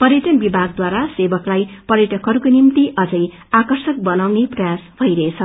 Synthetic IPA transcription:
pʌɾjʌʈʌnbibʱaɡ̚d̪waɾasebʌklajpʌɾjeʈʌkʌɾukonimt̪iʔʌd͡zʌj | akʌrsʌk̚bʌnawneprʌjasbʱʌjɾʌet͡sʰʌ

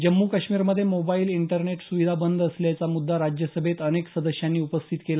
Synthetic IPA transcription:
d͡ʑəmːukəɕmiːɾməd̪ʱːjeemobailiɳʈəɾneʈsuʋid̪ʱabənd̪ʱəsljat͡samud̪ʱːaɾad͡ʑjəsəbʱet̪əneksəd̪əɕjanːiːupəst̪ʰit̪kela

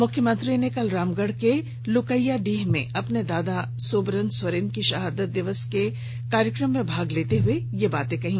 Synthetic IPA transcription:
mʊkʰːjəmɐ̃nt̪ɾinekɐlɾaːmɡəɽke | lʊkəjaɖiːɦmḛ̃ʔɐpned̪aːd̪asoːbɾənswɐɾiːnkiʃɐɦaːd̪ət̪̚d̪ɪʋəske | kaːɾjəkɾəmːẽbʱaːɡleːt̪eɦʊejebaːt̪ẽkɐɦĩː

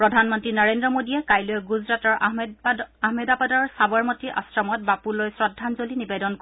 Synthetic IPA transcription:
pɹɔdʱanmɔntɹinɔɹendɹɔmodiɛkajloɔɡuzɹatɔɹ | aɦmɛdapadɔɹsabɔɹmɔtiʔa̰sɹɔmɔt̚bapulojsɹɔdʱːanzolinibedɔnk

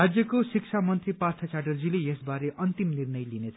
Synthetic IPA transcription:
ad͡zjʌkosik̚t͡ʃʰamʌnt̪ɾipart̪ʰat͡saɖʌrd͡zilejesbaɾeʔʌnt̪imnirnʌjlinet͡sʰ

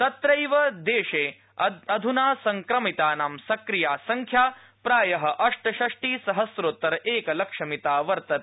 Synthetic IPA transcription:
t̪ɐt̪ɾɐjʋɐd̪eːʂeː | ɐɐd̪ʱunaːsɐŋkɾɐmit̪aːnaːmsɐkɾijaːsɐŋkʰjaː | pɾaːjɐɦɐ̆ʔɐʂʈɐʃɐʂʈiːsɐɦɐsɾoːt̪ːɐɾɐeːkɐlɐkʂɐmit̪aːʋɐɾt̪ɐt̪

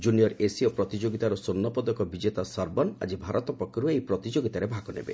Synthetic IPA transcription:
d͡ʒunijɔɾesiɔpɾɔt̪id͡ʒoɡit̪aɾɔsonːɔpɔd̪ɔkɔbid͡ʒet̪asaɾbɔna̰d͡ʒibʱaɾɔt̪ɔpɔkʰːjɔɾueejpɾɔt̪id͡ʒoɡit̪aɾebʱakɔnḛbḛ

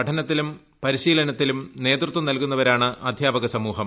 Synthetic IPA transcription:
ɐʈʰɐnɐt̪ːilum | pɐɾiɕiːlɐnɐt̪ːilumne̞ːt̪rɨt̪ʋɐmnɐlkunːɐʋɐɾaːɳɨʔɐd̪ʱjaːbɐɣɐsɐmuːɦɐm

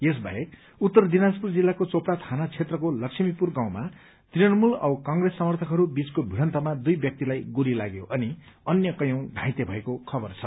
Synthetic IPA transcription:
jes̬bʱa̰ek | ut̪ːʌrd̪inaspurd͡zilːakot͡sopɽat̪ʰanat͡sʰet̪rʌkolʌksʰimipurɡaw̃ma | t̪rijʌnmulʌwkʌŋɡresːʌmʌrt̪ʰʌkɦʌɾubit͡skobʱiɽʌnt̪ʌmad̪ujbjʌk̚t̪ilajɡuɾilaɡjoʔʌni | ʌnjʌkʌjʌw̃dʱãj̃t̪ebʱʌekokʰʌbʌrt͡sʰʌ

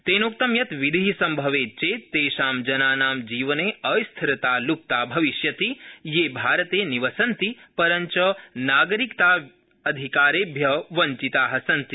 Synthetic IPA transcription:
t̪eːnuk̚t̪ɐmjɐt̪ʋid̪ʱiisɐmbʱɐʋeːt͡ʃeːt̪ːeːʃaːmd͡ʒɐnaːnaːmd͡ʒiːʋɐneːɐjst̪ʰɐɾɐt̪aːluk̚t̪aːbʱɐʋiʃjɐt̪ijeːbʱaːɾɐt̪eːniʋɐsɐnt̪ipɐɾɐɲt͡ʃɐnaːɡɐɾikt̪aː | ɐd̪ʱikaːɾeːbʱjɐʋɐɲt͡ʃit̪aːɦɐsɐnt̪i

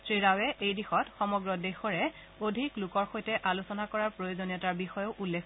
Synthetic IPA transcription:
tɹiɹawɛʔejdixɔtxɔmɔɡɹɔdexɔɹɛ | odʱiklʊkɔɹxojtɛʔalusɔnakɔɹaɹpɹojozonijɔtaɹbixɔjoʔulːekʰ

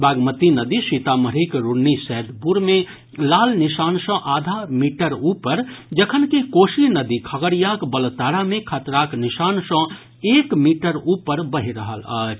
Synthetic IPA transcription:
baɡmət̪inəd̪isit̪aməɾikɾunːisɛd̪puɾme | laːlnisansə̃ʔad̪ʱamiʈəɾupəɾd͡ʒəkʰənkekosinəd̪ikʰəɡəɽijakbəlt̪aɽamẽkʰət̪ɾaknisansə̃ | ekmiʈəɾupəɾbəɦiɾəɦələ̰t͡ʃʰ

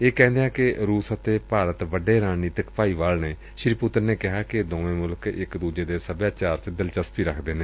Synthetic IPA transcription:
eːkɛ̃ːnd̪eãːkɪɾuːsət̪eːpaːɾət̪ʋəɖeːɾaːniːt̪əkpaːiːʋaːlneː | ʃɾiːpʊt̪ːəɾneːkɪɦaːkɪd̪õːẽːmʊlkɪkd̪uːd͡ʒeːd̪eːsəbjaːt͡ʃaːɾt͡ʃd̪ɪlt͡ʃəspiːɾəkʰd̪eːnẽː

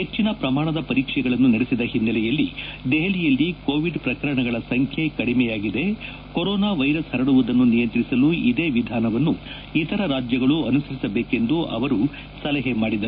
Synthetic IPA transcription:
ɦet͡ʃːinɐpɾɐmaːɳɐd̪ɐpɐɾiːkʂɛɡɐɭɐnːunɐɽesid̪ɐɦinːɐlɛjɐlːid̪ɛɦɐlijɐlːikoːʋiɖpɾɐkɐɾɐɳɐɡɐɭɐsɐŋkʰje̞kɐɽimɛjaːɡid̪e̞ | koɾɔːnaːʋɐjɾɐshɐɾɐɽuʋud̪ɐnːunijɐnt̪ɾisɐluid̪e̞ːʋid̪ʱaːnɐʋɐnːu | it̪ɐɾɐɾaːd͡ʒjɐɡɐɭuɐnusɐɾisɐbeːke̞nd̪uʔɐ̰ʋɐɾu | sɐlɐɦemaːɽid̪ɐɾu

